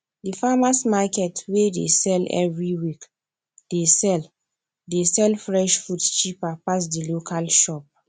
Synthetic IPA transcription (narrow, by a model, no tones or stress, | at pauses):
difamasmakɛtwedḛsɛlɛ̰vɹiwik | desɛl | desɛlfɹɛʃfutt͡ʃipapas̬dilokʰalʃɔp̚